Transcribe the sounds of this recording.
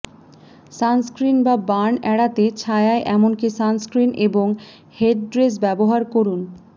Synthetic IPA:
sanskɾinbabanɛɽat̪et͡ɕʰaeaeʔɛmonkisanskɾinʔeboŋ | heʈɖɾes̬bɛboɦaɾkoɾun

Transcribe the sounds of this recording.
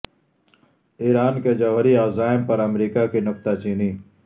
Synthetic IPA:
iːɾaːnked͡ʒaːʋəɾiaːzaːɪmpəɾɐmɾiːkakinʊk̚t̪at͡ʃiːniː

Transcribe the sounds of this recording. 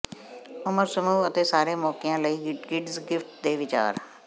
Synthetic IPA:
ʊməɾsəmuːət̪eːsaːɾeːmɔːkɪjãːləiːɡɡɪɖzɡɪfʈ̚d̪eːʋɪt͡ʃa̰ːɾ

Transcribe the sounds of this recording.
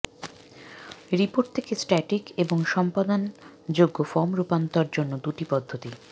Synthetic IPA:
ɾipoɾʈ̚t̪ʰekesʈɛʈikeboŋʃɔmpad̪and͡ʑoɡːofɔmɾupant̪aɾd͡ʑonːod̪uʈipɔd̪ʱːot̪i

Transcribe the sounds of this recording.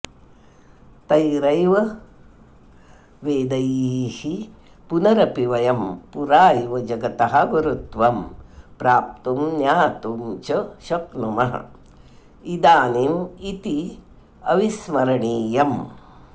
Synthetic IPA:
t̪ɐjɾɐjʋɐ | ʋeːd̪ɐjihi | punɐɾɐpiʋɐjɐmpuɾaːjʋɐd͡ʒɐɡɐt̪ɐɦɐɡɐɾut̪ʋɐmpɾaːp̚t̪umnjaːt̪umt͡ʃɐʃɐknumɐɦɐ̰ | id̪aːnimit̪i | ɐʋismɐɾɐɳiːjɐm

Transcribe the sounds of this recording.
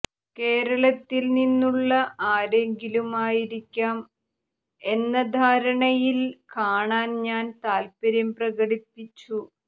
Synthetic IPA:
ke̞ːɾɐɭɐt̪ːilninːuɭːɐʔaːɾeŋɡilumaːjiɾikʲːaːm | e̞nːɐd̪ʱaːɾɐɳɐjilkaːɳaːnɲaːnt̪aːlpɐɾjɐmprɐɣɐɽipːit͡ɕːu

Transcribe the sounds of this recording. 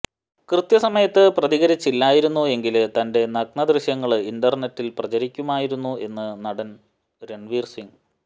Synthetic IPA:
krɨt̪jɐsɐmɐjɐt̪ːɨprɐðiɣɐɾit͡ɕːilːaːjiɾunːue̞ŋɡilt̪ɐnde̞nɐɡ̚ɳɐd̪rɨɕjɐŋːɐɭɨindɐrnetːilprɐt͡ɕɐɾikʲːumaːjiɾunːue̞nːɨnɐɽɐn | ɾe̞ɳʋiːrsiŋ

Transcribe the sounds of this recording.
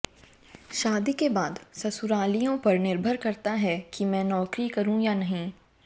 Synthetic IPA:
ʃaːd̪ikebaːd̪sɐsʊɾaːlijõpɐɾnɪɾbʱəɾkɐɾt̪aɦɛkimɛ̃ːnɔːkɾikɐɾũjanɐɦĩː

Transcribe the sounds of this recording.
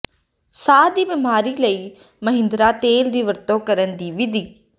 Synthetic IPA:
saːd̪iːʋɪmaːɾiːləiː | məɦɪ̃nd̪ɾaːt̪eːld̪iːʋəɾt̪õːkəɾənd̪iːʋɪd̪ʱiː

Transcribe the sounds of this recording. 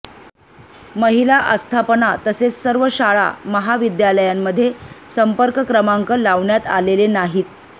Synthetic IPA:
məɦilaʔəst̪ʰapənat̪əsessəɾʋəɕaɭa̰məɦaʋid̪jaləjamːəd̪ʱːjesəmpəɾkəkɾəmaŋkəlaʋɳjat̪a̰lelenaɦiːt̪̚

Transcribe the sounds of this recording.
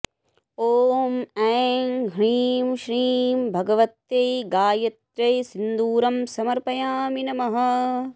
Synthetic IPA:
oːmɛːŋɦɾiːmʃɾiːmbʱɐɡɐʋɐt̪jɐjɡaːjɐt̪ɾɐjsind̪uːɾɐmsɐmɐɾpɐjaːminɐmɐɦɐ̆

